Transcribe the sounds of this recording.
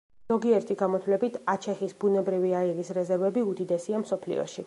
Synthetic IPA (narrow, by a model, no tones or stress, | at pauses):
ɔɡiɛɾt̪ʰiɡamɔt̪ʰlɛbit̪ʰat͡ʃʰɛχisbunɛbɾiviailisɾɛzɛɾvɛbiud̪id̪ɛsiamsɔpʰlḭɔ̰ʃi